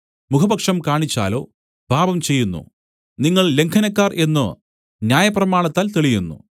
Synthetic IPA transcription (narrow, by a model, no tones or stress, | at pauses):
mukʰɐbɐkʂɐmkaːɳit͡ɕːa̰ːlo̞̰ː | bʱaːbɐmt͡ɕe̞jːunːṵ | niŋːɐɭle̞ŋkʰɐnɐkːaːrʔe̞nːɨ | njaːjɐprɐmaːɳɐt̪ːaːlt̪eɭijunːṵ